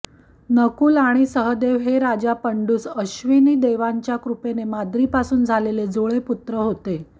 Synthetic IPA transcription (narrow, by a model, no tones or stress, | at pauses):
nəkuːlaɽ̃isəɦəd̪eʋɦeɾad͡ʑapəɳɖuːsəɕʋiniːd̪eʋaɲt͡ɕjakɾupenemad̪ɾiːpasuːnd͡zʱaleled͡zoɭeput̪ɾəɦot̪e